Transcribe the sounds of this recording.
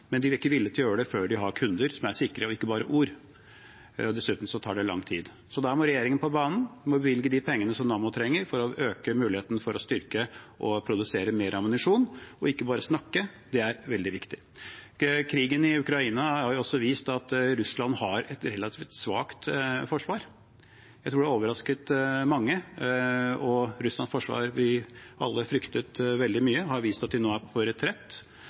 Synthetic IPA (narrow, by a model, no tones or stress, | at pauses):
mɛnd̪ɪʋɪlɪkːəʋɪlːət̪ʰɪjøːəɖɛføːɖɪɦɑɾkʰʉnd̪əɾsɔmæɾʂɪkɾəɔɪkːəbɑːɾəʔuːɾ | ɔd̪ɛsʉːt̪m̩sɔt̪ʰɑːɖɛlɑ̰ŋːt̪ʰḭːd̪ | sɔd̪æɾmɔɾɛjeːɾɪŋənpʰɔbɑːnn̩mɔbəʋɪlɡəd̪ɪpʰɛŋːənəsɔmnɑːmʊt̪ʰɾɛŋːəɾfɔɾɔøːkəmʉːlɪheːt̪ənəfɔɾɔst̪ʏɾkəʔɔpʰɾʊd̪ʉseːɾəmeːɾɑmʊnɪʂuːnɔɪkːəbɑːɾəsnɑkːə | d̪ɛæɾʋɛld̪ɪʋɪkt̪ɪ | kʰɾiːɡənɪʉkɾɑiːnɑhɑɾjʊɔsːɔʋiːst̪ɑt̪ɾʉslɑnhɑɾɛt̪ɾɛlːɑt̪ʰiːft̪sʋɑ̰ːkt̪fɔʂʋɑːɾ | jjæɪt̪ʰɾuːɖɛæoːʋəɾɑskət̪mɑŋːə | ɔɾʉslɑnsfɔʂʋɑ̰ːɾʋɪʔɑ̰lːəfɾʏkt̪ət̪ʋɛld̪ɪmyːəɦhɑɾʋiːst̪ɑt̪̚d̪ɛnoːæɾpʰɔɾɛt̪ʰɾɛt̪ː